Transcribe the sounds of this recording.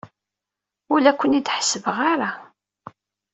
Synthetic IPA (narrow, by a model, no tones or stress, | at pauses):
ʊlækʷːənid̪ħə̥səvəʁaɾa